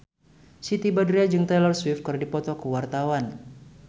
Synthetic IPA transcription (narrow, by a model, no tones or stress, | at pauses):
sit̪ibadɾiad͡ʒɨŋt̪ajlɔrswif̚kɨrdipɔt̪ɔkəwart̪awan